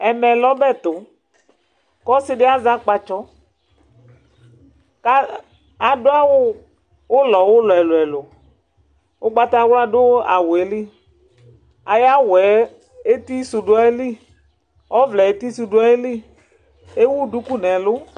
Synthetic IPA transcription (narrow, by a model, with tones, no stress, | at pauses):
ɛ˨mɛ˨lɔ˦bɛ˦˨t̪ʊ˨ | kɔ˦sɪ˦dɪ˦a˦za˦k͡pa˧t͡ʃɔ˦ | ka˦ | a˨dʊ˦a˦wʊ˦ | ʊ˦lɔ˨wʊ˦lɔ˨ɛ˨lʊ˨ɛ˨lʊ˨ | ʊ˦k͡pa˦t̪a˦wla˦dʊ˦a̰˨wʊ˨e˨li˦ | a˨ja˦wɛ˨˦ | e˦t̪i˦su˨dʊ˦a˦e˦li˦ | ɔ˦vlɛ˨e˨˦t̪i˦su˧dʊ˦a˦e˦li˦ | e˦wu˦du˦ku˦nɛ˨lʊ˦